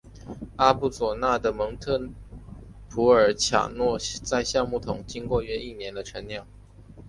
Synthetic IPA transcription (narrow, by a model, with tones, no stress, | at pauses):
a˥pu˥˩t͡swɔ˨˩na˥˩d̪ə˩mɤ˧˥ŋt̪ʰɤ˥˩n | pʰu˧˥ə˞˨˩t͡ɕʰja̰˨˩nwɔ˥˧t͡sa˥˧ɪɕjɑ˥˧ŋmu˥˩t̪ʰʊ˨˩˦ŋt͡ɕi˥ŋkwɔ˥˧ɥɛ˥˧i˥˩njɛ˧˥˦nd̪ə˧ʈ͡ʂʰə˧˥nljɑ˥˩ŋ